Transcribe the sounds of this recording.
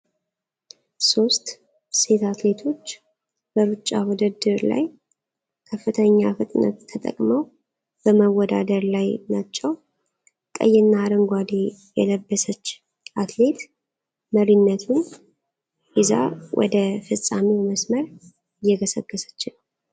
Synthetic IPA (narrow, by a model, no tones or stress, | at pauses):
so̞st̪ | se̞t̪at̪le̞t̪ʰo̞t͡ʃː | bəɾut͡ʃʼːawɔd̪əd̪ɨɾla̰j | kʰəfːɨt̪ʰəɲːafɨt̪ʼnə̰t̪ʰːət̪ʼə̰kʼməw | b̥əməwːɔd̪a̰d̪əɾlajnat͡ʃːɛw | kʼə̰jːɛnːaːɾəŋɡʷad̪ejɛ̰ləbːəsət͡ʃː | ʔat̪le̞t̪ | məɾinːət̪ʰun | ʔɪza̰wʔɔ̰d̪əfɨsʼamiwməsməɾ | ɪjːɛɡəsəɡːəsə̥t͡ʃːɪn